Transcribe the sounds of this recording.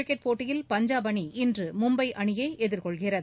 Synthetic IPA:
ɪkːɛʈ̚poːʈːɪjɪlpɐɲd͡ʒaːbɐɳiɪndrɯmʊmbɐɪʔɐɳɪjeːɛðɪɾkɔɭɣɪrɐð

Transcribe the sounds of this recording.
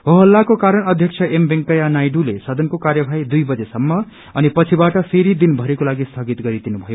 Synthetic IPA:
ɦoɦʌlːakokaɾʌnʌd̪ʱjʌkt͡sʰʌʔembeŋkʌjanajɖulesʌd̪ʌnkokarjʌbʱajd̪ujbʌd͡zesʌmːʌ | ʌnipʌt͡sʰibaʈʌpʰeɾid̪inbʱʌɾekolaɡist̪ʰʌɡit̪ɡʌɾid̪inubʱʌjo

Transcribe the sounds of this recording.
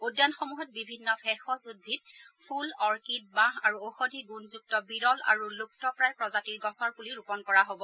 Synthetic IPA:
udjanxomuɦɔt̚bibʱinːɔfʰɛxɔsudbʱitpʰulɔɹkit̚bãɦaɹuoxodʱiɡunzuk̚tɔbiɹɔla̰ɹuluktɔpɹajpɹɔzatiɹɡɔsɔɹpuliɹupɔnkɔɹaɦobɔ

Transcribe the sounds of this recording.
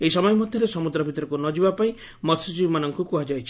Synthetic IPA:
eisɔmɔjɔmɔd̪ʱjɔɾesɔmud̪ɾɔbʱit̪ɔɾɔkunɔd͡ʒibapaĩ | mɔt̪sut͡ʃibmanɔŋkukuad͡ʒajt͡ʃʰi̥

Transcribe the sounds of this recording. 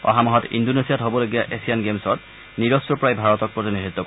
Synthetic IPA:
ɔ̰ɦamɔɦɔtḭndonesijatɦobɔlojɡijaʔesijanɡemsɔt | niɹɔsɔpɹajbʱaɹɔtɔk̚pɹɔtiniɹit̪ːɔk

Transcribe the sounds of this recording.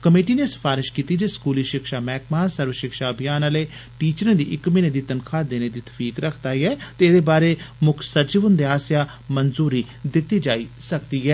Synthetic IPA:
kəmeːʈiːneːsə̥pʰaːɾɪʃkiːt̪iːd͡ʒeːskuːliːʃɪkʃaːmɛːkmaːsəɾʋəʃɪkʃaːəbʱijaːnəleːʈiːt͡ʃəɾẽːd̪iːʔɪkmĩːneːd̪iːt̪ənkʰaːd̪eːneːd̪iːt̪ʰə̥fʰiːkɾəkʰd̪aːiːɦɛːt̪eːd̪eːbaːɾeːmʊkʰsəɾd͡ʒʋʊnd̪eːaːsjaː | mənzuːɾiː | d̪ɪt̪ːiːd͡ʒaːiːsəkd̪iːɦɛː

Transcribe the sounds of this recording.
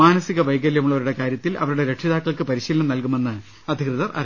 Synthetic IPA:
aːnɐsiɣɐʋɐjɡɐljɐmuɭːɐʋɐɾuɽe̞kaːɾjɐt̪ːilʔɐ̰ʋɐɾuɽe̞ɾe̞ʂiðaːkːɐɭkɨpɐɾiɕiːlnɐmnɐlkume̞nːɨ | ɐd̪ʱikrɨðɐrʔɐ̰r

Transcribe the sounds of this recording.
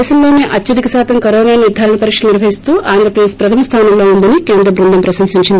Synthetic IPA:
sɐllo̞ːneːʔɐtːt͡ʃɐd̪ikɐsaːt̪ʰɐmkɐɾoːnaːniɾd̪ʱaːɾɐɳɐpɐɾiːkʂɐlniɾbʱɐɦist̪uːʔaːnd̪ɾɐpɾɐd̪eːspɾɐt̪ʰɐmɐst̪ʰaːnɐmlo̞ːund̪ɐnikeːnd̪ɾɐbɾund̪ɐmpɾɐsɐmsiɲt͡ʃind̪i

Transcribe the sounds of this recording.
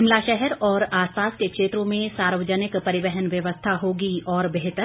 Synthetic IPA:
ɪmlaʃɛɦɛɾɔːɾaːspaːskekʃeːt̪ɾõmẽsaːɾʋəd͡ʒənɪkpɐɾɪʋɛɦənʋjɐʋəst̪ʰaɦoːɡiɔːɾbeɦt̪əɾ

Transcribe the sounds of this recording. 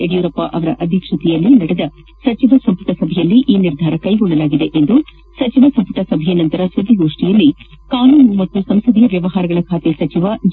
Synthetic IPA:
eɽijuːɾɐpːaʔɐʋɐɾɐʔɐd̪ʱikʂut̪ijɐlːinɐɽed̪ɐ | sɐt͡ʃiʋɐsɐmpuʈɐsɐbʱɛjɐlːiʔiːniɾd̪ʱaːɾɐkɐjɡɔɭːɐlaːɡid̪e̞ʔend̪u | sɐt͡ʃiʋɐsɐmpuʈɐsɐbʱɛjɐnɐnt̪ɐɾɐsud̪ʱːiɡo̞ːʂʈijɐlːi | kaːnuːnumɐt̪ːusɐmsɐd̪ʱijɐʋjɐʋɐɦaːɾɐɡɐɭɐkʰaːt̪esɐt͡ʃiʋɐd͡ʒ

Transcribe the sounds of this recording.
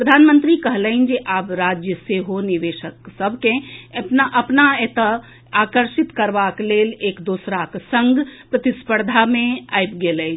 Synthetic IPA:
pɾəd̪ʱaːnmə̃nt̪ɾikəɦləind͡ʒeʔaːpɾaːd͡ʒjəseɦoniʋeːʃəksəbʱkẽəpnaʔɐpnaet̪ə | aːkəɾʃɪt̪kəɾʋakleːleːkd̪oːsɾaksə̃ŋɡʱpɾət̪ɪspəɾd̪ʱamẽa̰ːjpɡeːlɛ

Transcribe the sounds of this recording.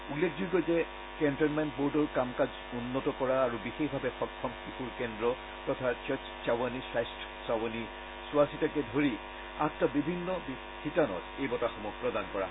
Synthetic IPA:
ulːek̚ʰdujɡɔjzɛ | kɛntɔnmɛntboɹdɔɹkamkaz | unːɔtɔkɔɹaːɹubixexbʱabɛxɔkʰːɔmkixuɹkɛndɹɔ | pɹɔtʰaɹt͡ʃɔt͡ʃt͡ʃawanisajstʰɔ̥sawani | sʊasitakɛdʱoɹi | attɔbibʱinːɔbi | xitanɔ̰tejbɔtaxɔmɔpɹɔdankɔɹa̰

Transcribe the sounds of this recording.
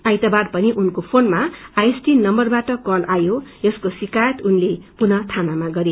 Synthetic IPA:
ajt̪ʌbarpʌniʔunkopʰonmaajesʈinʌmbʌrbaʈʌkʌlʔajojʌskosikajʌt̪unlepunʌt̪ʰanamaɡʌɾe

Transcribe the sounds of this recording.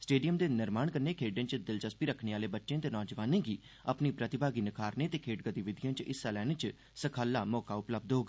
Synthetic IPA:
sʈeːɖijəmd̪eːnɪɾmaːɳkəɾneːkʰeːɖẽːt͡ʃd̪ɪlt͡ʃəspiːɾəkʰɳeːaːleːbətːʃẽːt̪eːnɔːd͡ʒəʋaːnẽːɡiː | əpniːpɾət̪ɪbaːɡiːnɪkʰaːɾneːt̪eːkʰeːʈɡət̪iːʋɪd̪ɪjə̃ːt͡ʃɪsɛːlɛːnẽːt͡ʃ | səkʰaːlːaːmɔːkaːʊpləb̚d̪ɦoːɡaː

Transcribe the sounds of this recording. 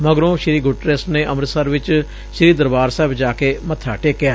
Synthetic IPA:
məɡɾõːʃɪɾiːɡʊʈɾesʈneːʔəmɾsəɾʋɪt͡ʃ | ʃɪɾiːd̪əɾbaːɾsɛːbd͡ʒaːkeːmət̪ʰːaːʈeːkːjaː

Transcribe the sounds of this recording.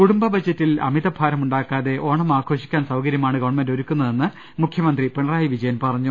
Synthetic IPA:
kuɽumbɐbɐd͡ʑːɐtːilɐ̰miðɐbʱaːɾɐmuɳɖaːkːaːðe̞ʔo̞ːɳɐmaːkʰo̞ːɕikʲːaːnsɐwkɐɾjɐmaːɳɨɡɐʋɳmendo̞ɾukʲːunːɐðe̞nːɨ | mukʰjɐmɐnd̪ripeɳɐraːjiʋid͡ʑɐjɐnpɐrɐɲːu

